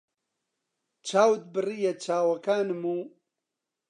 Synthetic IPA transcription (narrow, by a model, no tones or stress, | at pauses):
t͡ʃaːwd̪̚bɨrijɐt͡ʃaːwɐkaːnmu